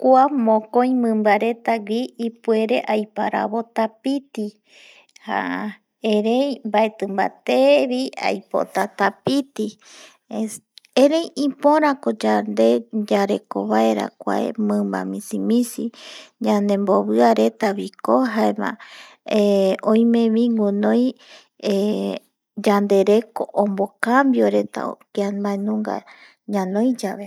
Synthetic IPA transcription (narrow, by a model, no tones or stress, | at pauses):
kuamõkõj̃mɨ̃mbaɾe̞t̪aɡiipue̞ɾe̞ʔajpaɾa̰βo̞t̪apit̪i | ha̰ | eɾejmbaet̪ɨmba̰t̪eβia̰jpo̰t̪at̪apit̪i | eɾejipõɾãkod͡ʒand̪e̞d͡ʒaɾe̞koβaeɾa̰kʷa̰ḛmɨ̃mba̰mĩsimĩsiɲãnd̪emboβɨaɾe̞t̪aβikoɦaemã̰ | eõj̃mẽβiŋɡunõj | e | d͡ʒand̪e̞ɾe̞koʔõmbokambjoɾet̪a̰o̰kiabaenũŋɡa̰ | ɲãnõjd͡ʒaβe